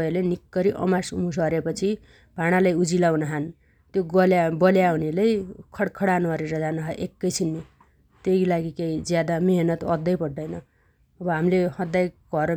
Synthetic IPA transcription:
elenikːʌɾiʔʌ̰masṵmus̬ʌɾepʌt͡sʰi | b̥ʱaɽ̃alajud͡zilawnaɦan | t̪joɡʌlabʌljaunelejkʰʌɽkʰʌɽanuɦʌɾeɾʌd͡zanaɦʌʔekːʌjt͡sʰinːi | t̪ejlaɡikejd͡zjad̪ameɦnʌt̪ʌd̪ːʌjpʌɽːʌjnʌ | ʌbʌɦamilehʌd̪ːajɡ̥ʱʌɾ

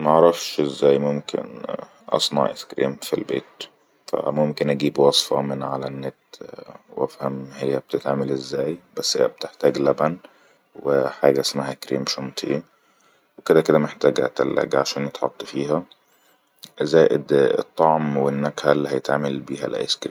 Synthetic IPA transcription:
mæʔɑʕɾˤɑfʃʔezːæːjmomkʰḛn | ʔɑ̰sˤnɑ̰ʕʔḛskɾḭːmfḭlbḛːt̪ | fæ̰momkenʔæɡiːbwɑsˤfɑmɪnʕalænːet̪wʔæfhæmhejːæb̥̚t̪et̪ʕamelʔezːæːjbæsːhḛjːæ̰b̚t̪eħt̪æːɡlæbæn | weħaːɡæʔæsmaɦækɾḭːmʃomt̪ʰˤʔe | weked̪æked̪æmeħt̪æːɡæ̰ːt̪ḛlːæ̰ɡʕaʃæːnet̪ħot̪ˤːfiːɦæ | zæːʔḛd̪ḛt̪ˤːɑʕmwenːækħæelːiːhæjet̪ʕaːmelbiːɦæ̰lʔæ̰ʔḛskɾiːm

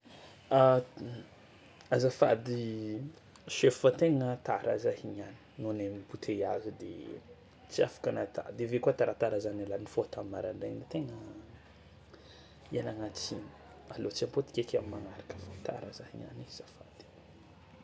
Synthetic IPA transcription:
a | azafad̪i | ʃeffat̪eŋət̪aɾʔa̰zahiɲani̥nonemibut̪ʰejazud̪ḛ | t͡siafḁkanat̪a̰d̪evekuat̪aɾat̪aɾazanelanifot̪amimaɾaɳɖ͡ʐenit̪eŋə | alaŋat͡sin | alot͡siampot̪i̥kʲekʲamimaŋaɾakə̥fat̪a̰ɾazahiɲa̰niz̥afa̰d̪̥i̥

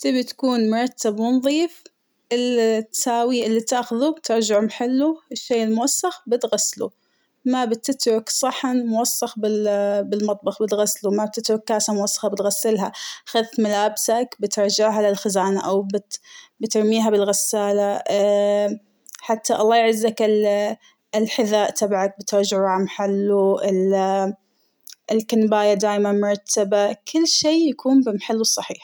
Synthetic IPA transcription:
t̪ɪbit̪ḁkuːnmʊɾˤɑt̪ːabmʊnðˤiːf | ʔɪlt̪saːwiʔɪlːit̪aːxʊðubt̪ɪɾˤd͡ʒaʕmħɪlːuɪʃːeːʔɪlmʊwasːaxbɪt̪ɣasːlṵ | mabɪt̪ːɪt̪ɾˤʊksˤɑħanmʊwɑsːɑxbɪbɪlmɑt̪ˤbɑxbɪt̪ɣaslumab̚t̪ɪt̪ɾʊkːaːsamʊwɑsːɑ̥xabɪt̪ɣasːɪlɦaxaðmalaːbsakbɪt̪ɾˤd͡ʒaʕɦalɪlxɪzaːnaʔawbɪbɪt̪ɪɾˤmiːɦabɪlɣasːaːla | ħat̪ʰːaʔɑlˤːɑːjʕɪzːakɪ | ɪlħɪðaːʔt̪ʰabʕak̚bɪt̪ɾd͡ʒʕamaħalːuɪl | ɪlkanbaːjad̪aːjmanmʊɾˤɑt̪ʰːabakʰɪlːʃeːjakʰuːnbɪmaħalːwɨsˤːɑħiːħ

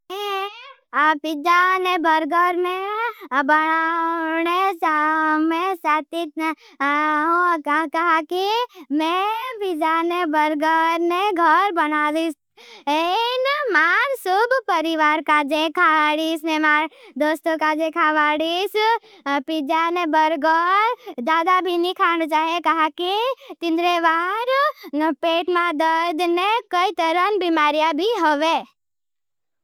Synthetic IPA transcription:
e | pɪd͡ʒanebɐɾɡəɾmẽbɐnanet͡ʃamẽsaːt̪it̪ | ɦõkɐɦakimɛ̃pɪd͡ʒanebɐɾɡəɾneɡʱɐɾbɐnaːd̪is | enmaːnsʊbpəɾiʋaɾkad͡ʒekʰaʋaɽismemad̪ost̪okad͡ʒekʰaʋaɽis | pid͡ʒanebəɾɡəɾd̪ad̪abʱinikʰant͡ʃaɦekaɦãket̪ɪ̃nd̪ɾeʋaɾpeʈmãd̪əɾd̪nekəit̪əɾənbimaɾijabʱiɦəʋe

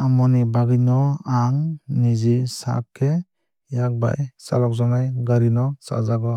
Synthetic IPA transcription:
amɔnibaɡinɔaŋnizisa̰kʰːe | jak̚ba̰jsa̰lɔk̚zɔnajɡaɾinɔsa̰zaɡɔ

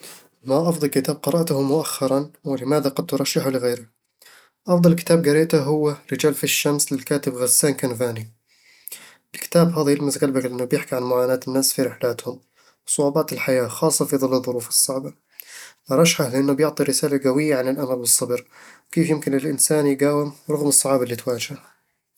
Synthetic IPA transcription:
maʔɑfd̪ˤɑlkɪt̪aːb̚qɑɾˤɑʔt̪ʊhʊmːʊʔaxːɑɾˤɑnwɪlɪmaːðaqɑd̪̚t̪ʊɾˤɑʃːɪħalɪɣeːɾɪ | ʔɑfðˤɑlkɪ̥t̪aːb̚ɡaɾeːt̪aɦʊwːaɾɪd͡ʒaːlfiʃːamslɪlkaːt̪ɪbɣazːaːnkanvaːni | ʔɪlkɪ̥t̪aːbɦaːðajɪlmasɣalbaklɪʔɪnːʊbjɪħkiʕanmʊʕaːnaːt̪ɪnːaːsfiɾɪħlaːt̪hʊm | wsˤʊʕubɑːt̪ɪlħajaːxɑːsˤːɑfiðˤɨlːɨðˤːʊɾuːfɨ̥sˤːɑʕba | ʔɑɾˤɑʃħahlɪʔanːʊbjʊʕt̪ˤiɾɪsaːlaɡawɪjːaʕanɪlʔamalbɨsˤːɑbɾwkeːfjɪmkɪnɪlʔɪnsaːnjɪɡaːwɪmɾˤɑɣmɨsˤːɑʕɑːbɪlːit̪waːd͡ʒah

